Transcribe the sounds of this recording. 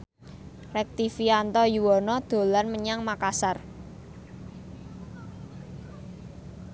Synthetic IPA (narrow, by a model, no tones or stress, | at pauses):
rɛk̚t̪ifiant̪ɔjuwɔnɔd̪̥o̤lanməɲaŋmakasar